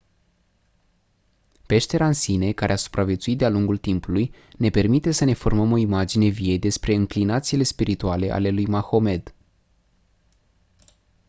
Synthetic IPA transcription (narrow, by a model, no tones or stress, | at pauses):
pe̞ʃt̪e̞ɾansine̞kaɾeasu̥pɾʔavje̞t̪suit̪d̪ealuŋɡult̪impuluj | ne̞pe̞rmit̪e̞səne̞fo̞rməmo̞imad͡ʒine̞vied̪e̞spɾe̞ɨŋklinat̪sile̞spiɾit̪uale̞ʔa̰le̞lujmaxo̞me̞d̪